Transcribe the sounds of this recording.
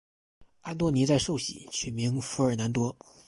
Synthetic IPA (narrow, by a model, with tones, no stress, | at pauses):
a˥nt̪wɔ˥˩ni˧˥t͡sa˥˧ɪʂo˥˩ʊɕḭ˨˩t͡ɕʰɥɛ˨˩nmi˧˥ŋfu˧˥ə˞˨˩na˧˥nt̪wɔ˥